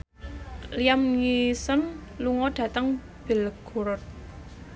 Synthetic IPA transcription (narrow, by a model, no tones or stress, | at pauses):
liamŋisənluŋɔɖ̥ä̤t̪əŋ | b̥e̤lɡ̥o̤ɾʊt̪̚